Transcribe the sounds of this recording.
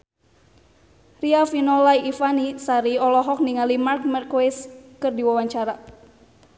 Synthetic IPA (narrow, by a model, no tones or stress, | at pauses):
riafinɔlaiifanisaɾiɔlɔɦɔk̚niŋalimark̚mɛrkwiskɨrdiwawaɲt͡ʃaɾa